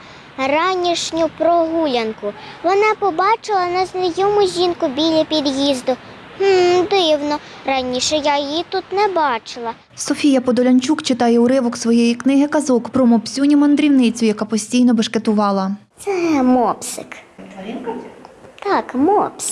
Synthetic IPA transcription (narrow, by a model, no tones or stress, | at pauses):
rɑnʲiʃnʲʊpɾɔɦulʲɐnkʊʋɔnɑpɔbɑt͡ʃɪlˠɐnɐznijɔmʊʒʲinkʊbʲilʲɐpʲid̪jizd̪ʊ | h̩d̪ɪwnɔ | ɾɐnʲiʃɛjajjit̪ut̪nɛbɑt͡ʃɪlˠɐ | sɔfʲijɐpɔd̪ɔlʲɐnʲt͡ʃukt͡ʃɪt̪ɑjɛuɾɪʋɔksʋɔjejiknɪɦɪkɐzɔkpɾɔmɔpsʲunʲimɐnd̪ɾʲiwnɪt͡sʲʊjɐkɑpɔsʲtʲijnɔbɐʃket̪ʊʋɑlˠɐt̪sɛmɔpsɪk̪ʲ | t̪ɑkmɔpsʲ